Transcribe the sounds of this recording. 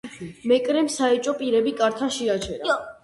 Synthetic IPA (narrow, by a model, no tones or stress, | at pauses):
mɛkʼɾɛmsaɛt͡ʃʼɔpʼiɾɛbikʼaɾt̪ʰaʃiat͡ʃʰɛɾa